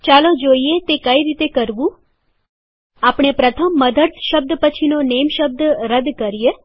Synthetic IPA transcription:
t͡ʃaːlod͡ʒoːiet̪ekəiɾit̪ekəɾʋũ | aːpɳ̃epɾət̪ʰəmːəd̪ət̪ʃəb̚d̪pət͡ʃʰinoneːmʃəb̚d̪ɾəd̪kəɾije

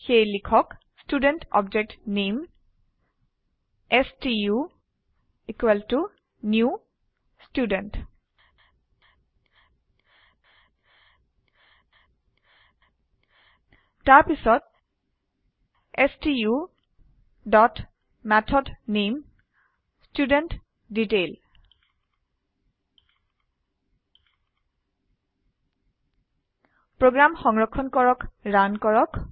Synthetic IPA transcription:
xelikʰɔk | sʈuɖẽnʈɔ̰b̚d͡ʒek̚ʈnem | esʈiju | ikwelʈu | nju | sʈjuɖenʈ | tapisɔt̚ | ɛstiu | dɔt | mɛtʰɔdnim | student | ditel | pɹoɡɹamxɔŋɹɔkʰːɔnkɔɹɔkɹankɔɹɔk

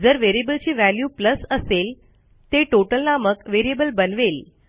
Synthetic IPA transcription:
d͡zəɾʋeɾiebəlt͡ɕiːʋæljuːpləsəsel | t̪eʈoʈəlnaməkʋeɾiebəlbənʋel

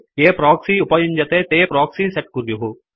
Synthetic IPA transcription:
keːpɾɔːksiʊpɐjind͡ʒɐt̪eːt̪eːpɾɔːksiːseʈ̚kuɾjuɦu

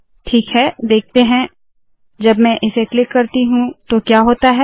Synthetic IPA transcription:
ʈʰiːkɦɛd̪eːk̚ʰt̪eɦɛ̃ | d͡ʒɐbmɛ̃ʔɪseklɪkːɐɾt̪iɦũt̪okjaːɦoːt̪aɦɛː

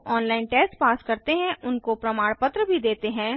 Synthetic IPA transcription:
ʔɔːnlaːɪnʈɛːsʈpaːskɐɾt̪eɦɛ̃ʔʊnkopɾɐmaːɽ̃pɐt̪ɾəbʱid̪eːt̪eɦɛ̃ː

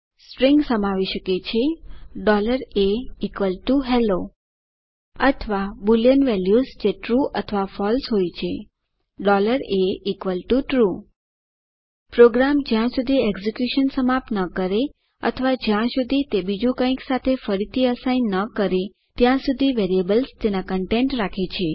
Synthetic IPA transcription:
spɾiŋɡsəmaʋiʃəket͡ʃʰeɖɔləɾeikʋəlʈuɦɛlo | ət̪ʰəʋabuljənʋɛljuzd͡ʒeʈɾuət̪ʰəʋafɔlsɦojt͡ʃʰe | ɖɔləɾeikʋəlʈuʈɾu | pɾoɡɾamd͡ʒjãsud̪ʱiɛɡzikjuʃənsəmapnəkəɾe | ə̰t̪ʰəʋad͡ʒjãsud̪ʱit̪ebid͡ʒũkə̃ĩksat̪ʰefəɾit̪ʰiəsainːəkəɾe | t̪jãsud̪ʱiʋeɾiəbəlst̪enakəɳʈeɳʈɾakʰit͡ʃʰe

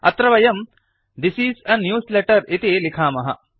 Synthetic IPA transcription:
ɐ̰t̪ɾɐʋɐjɐm | d̪isiːsɐnːjuːsleʈɐɾit̪iːlikʰaːmɐɦɐ̰

